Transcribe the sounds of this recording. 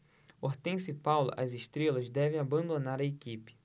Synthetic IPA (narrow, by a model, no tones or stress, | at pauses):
oɾt̪ẽj̃sɪpawlʊ̰ʔɐzeʃt̪ɾelɐzd̪ɛvẽj̃abɐ̃nd̪onaɾɐekipɪ̥